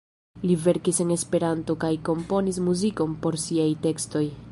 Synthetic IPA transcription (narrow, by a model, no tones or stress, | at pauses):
live̞ɾkise̞ne̞spe̞ɾanto̞kajko̞mpo̞nis̬muziko̞mpo̞ɾsiajte̞ksto̞j